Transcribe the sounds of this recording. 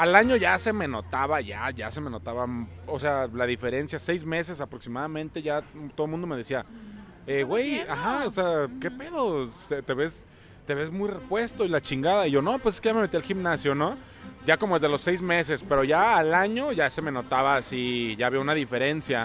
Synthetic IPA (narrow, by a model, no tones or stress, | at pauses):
alaɲo̞ʝase̞me̞no̞t̪aβaʝa̰ʝa̰se̞me̞no̞t̪aβaosealaðife̞ɾe̞nsjasejzme̞se̞s̬apɾo̞ksimaðamẽnt̪e̞ʝat̪oðomũnd̪omeðe̞sia | ewe̞jaxaoseake̞pe̞ðo̞set̪e̞βe̞s | t̪e̞βe̞zmujre̞pwe̞st̪o̞ilat͡ʃiŋɡaðaiʝo̞no̞pweseske̞ʝame̞me̞t̪ialximnasjono̞ | ɟ͡ʝako̞moezðe̞lo̞sːejzme̞s̬e̞spe̞ɾo̞ʝaːlaɲo̞ʝase̞me̞no̞t̪aβaːsiʝaβjiounaðife̞ɾe̞nsja